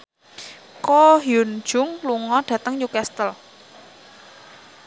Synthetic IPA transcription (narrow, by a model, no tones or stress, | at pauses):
kɔɦjun̥ʒ̥ʊŋluŋɔɖ̥ä̤t̪əŋjukɛst̪əl